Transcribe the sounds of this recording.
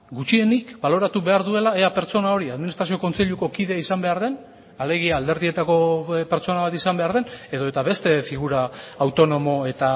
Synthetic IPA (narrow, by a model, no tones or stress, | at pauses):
ɡut͡ʃie̞nikbalo̞ɾat̪uβe̞aɾðue̞laeape̞ɾt͡so̞nao̞ɾiaðminist̪ɾasio̞ko̞nt͡se̞ʎuko̞kiðe̞aisambe̞aɾð̞e̞n | ale̞ɣ̞iaːld̪e̞ɾðie̞t̪ako̞pe̞ɾt͡so̞naβat̪isambe̞aɾðe̞ne̞ðo̞e̞t̪aβe̞st̪e̞fiɣuɾaːwt̪o̞no̞mo̞e̞t̪a